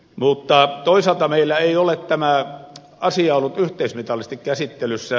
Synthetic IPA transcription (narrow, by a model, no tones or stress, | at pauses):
mut̪ːɑt̪oˑisɑlt̪ɑmeˑilːæeˑiolett̪æmæ | ɑsiɑolːut̪yht̪ˑeˑismit̪ɑlːˑist̪ikkæsit̪ːelysːæ